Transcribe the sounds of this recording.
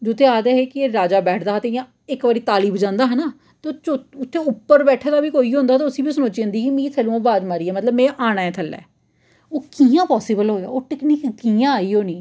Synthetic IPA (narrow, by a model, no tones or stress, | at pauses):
d͡ʒʊt̪ʰːeːaːd̪eːɦeːkɪeːɾaːd͡ʒaːbɛːʈʰd̪aːɦt̪eɪjãː | ɪkʋaːɾiːt̪aːliːbd͡ʒãːnd̪aːɦənaː | t̪et͡ʃoʊt̪ʰːẽːʊpːəɾbɛːʈʰaːd̪aːbiːkoːiːɦõːnd̪aːt̪aːʊsĩːbiːsənõːt͡ʃiə̃nd̪iːkimĩːt̪ʰɛlũãːbaːd͡ʒ̪maɾiːɛːmət̪ləbmẽːʔaːɽ̃aːɛ̃ːt̪ʰəlːɛ̰ː | oːkiːãːpɔːsɪbəlɦoːja̰ːoːʈɪkniːkkiːãːaːiːoːnĩː